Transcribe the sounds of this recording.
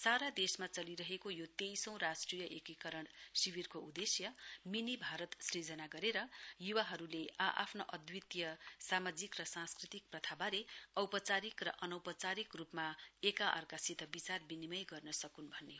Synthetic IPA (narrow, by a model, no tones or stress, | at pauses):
saɾad̪esmat͡sʌliɾʌɦekojot̪ejsʌ̃w̃rasʈrijʌʔekikʌɾʌɳsiwirkoud̪esjʌminibʱaɾʌt̪srid͡zʌnaɡʌɾeɾʌjuwaɦʌɾuleʔaʔa̰pʰnoʔʌd̪wit̪jʌsamad͡zikrʌsãnskrit̪ik̚prʌt̪ʰabaɾeʌwpʌt͡saɾikrʌʔʌnʌwpʌt͡saɾikrupmaekaʔʌ̰rkasit̪ʌbit͡sarbinimʌjɡʌrnʌsʌkunbʱʌnːeo